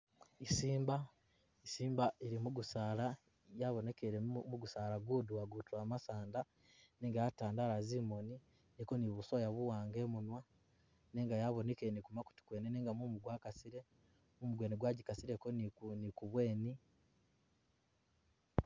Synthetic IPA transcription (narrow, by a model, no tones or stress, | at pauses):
isiːmba | isiːmbaiɾimuɡusaːɾa | jaβone̞keɾemuɡusaːɾaɡuːduaɡutuamasaːnda | neːŋɡajataːndaːɾazimoni | niko̞niβusojaβuwaːŋɡe̞ːmunwa | neːŋɡajaβo̞nekenikumaku̥ti̥kweneneːŋɡamumuɡwaːkasiɾe̞ | mumuɡweːniɡwaːɟikasiɾekonnikuβwe̞ːni